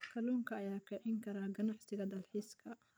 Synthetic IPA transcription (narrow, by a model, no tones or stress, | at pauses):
kʰɐluːŋkʰɐːjaːkʰɛʕɪŋkʰɐɾaːɡɐnɑʕsɪɣɐd̪ɐlħiːskʰɐ